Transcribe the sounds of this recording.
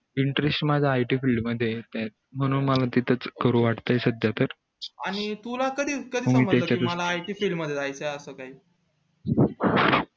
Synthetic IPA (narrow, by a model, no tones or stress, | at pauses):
iɳʈɾesʈmad͡zʱaːjʈiːfilɖməd̪ʱːjet̪at̪̚ | m̤əɽ̃uːnməlat̪it̪ʰət͡skəɾuːʋaʈt̪əjsəd̪ʱjat̪əɾ | aɽ̃it̪ulakəd̪ʱiːkəd̪iːməmiːmət̪jt͡ɕaəmlaːjʈiːfilməd̪ʱːjeajt͡səəsəːkaɦiː